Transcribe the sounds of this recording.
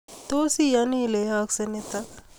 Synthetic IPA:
t̪oːsijanilejaksenet̪ak

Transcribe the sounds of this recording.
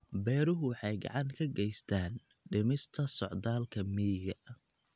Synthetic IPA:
bɛːɾʊɦʊwɑħɑjɡɑ̰ʕɑŋkʰɐɡɛjst̪ʰaːn | ɖɪmɪst̪ʰɐsɔʕd̪aːlkʰɐmiːɣɐ

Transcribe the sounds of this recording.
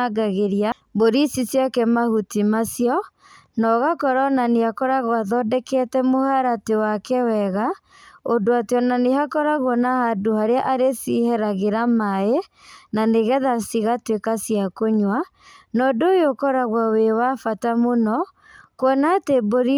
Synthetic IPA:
aɡaɣeɾia | boɾisisjɔkɛmahutimasjɔ | nɔɣakɔɾɔnaneakɔɾaɣwaðɔdɛkɛtɛmohaɾatewakɛwɛɣa | ondoateɔnaneɦakɔɾaɣɔnahadohaɾeaʔaɾesihɛɾaɣeɾamae | naneɣɛðasiɣatwekasiakoɲwa | nɔdojokɔɾaɣwawewafatamonɔ | kwɔnateboɾi

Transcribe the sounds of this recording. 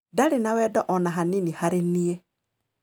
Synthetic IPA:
daɾenawɛːdɔʔɔnaɦaninihaɾenie

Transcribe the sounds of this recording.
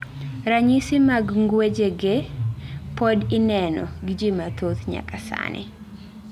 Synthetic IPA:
ɾaɲisɪmaɡŋɡwed͡ʒeɡe | pɔdɪnɛnɔ̰ɡid͡ʒimat̪ot̪ɲa̰kasa̰nʔɪ̰

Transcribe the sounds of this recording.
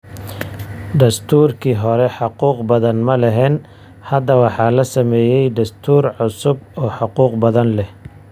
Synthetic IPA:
d̪ɐst̪ʰuːrkʰiːɦɔɾɛħɑquːqbɐðɐnmɐlɛɦɛːn | hɐd̪ːɐwɑħɑːlɐsɐmɛːjɛjd̪ɐst̪ʰuːrʕʊsʊbɔːħɑquːqbɐðɐnlɛh

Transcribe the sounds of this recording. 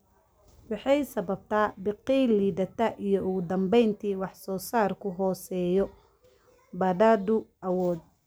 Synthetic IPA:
wɑħɑjsɐβɐb̚t̪ʰaːbɪqiliːdɐt̪ʰɐʔijɔʊɣʊd̪ɐmbɛjnt̪ʰiːwɑħsɔːsaːrkʰʊɦɔːsɛːjɔ | bɐdaːd̪ʊʔɐwɔːd̪̚

